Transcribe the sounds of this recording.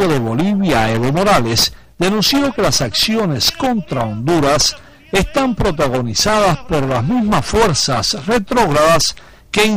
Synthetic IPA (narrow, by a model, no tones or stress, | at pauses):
oðe̞βo̞liβjaeβomo̞ɾale̞s | d̪e̞nũnsjo̞ke̞lasaksjo̞ne̞sko̞nt̪ɾaond̪uɾas | est̪ampɾo̞t̪aɣ̞o̞nisaðaspo̞ɾlazmizmasfwe̞ɾsasre̞t̪ɾo̞ɣɾaðas | keːŋ